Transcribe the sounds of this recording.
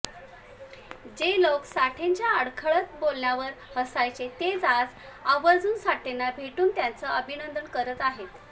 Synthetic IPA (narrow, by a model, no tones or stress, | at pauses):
d͡ʑeloksaʈʰeɲt͡ɕjaəɽkʰəɭət̪̚bolɳjaʋəɾhəsajt͡set̪ed͡zad͡z | aʋəd͡zuːnsaʈenːabʱeʈuːnt̪jant͡səəbʱinənd̪əɳkəɾət̪aɦet̪